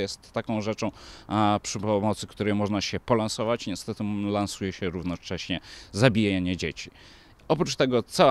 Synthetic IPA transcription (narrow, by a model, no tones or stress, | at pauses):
jɛst̪ːakɔ̃w̃ʐɛt͡ʂɔ̃w̃pʂɘpɔmɔt̪sɘkt̪uɾɛjmɔʐnaɕɛpɔlansɔvat͡ɕɲɛst̪ɛt̪ɘlansujɛɕɛɾuvnɔt͡ʂɛɕɲɛzabʲijaaɲɛd͡ʑḛt͡ɕi | ɔpɾut͡ʂt̪ɛɡɔt̪sa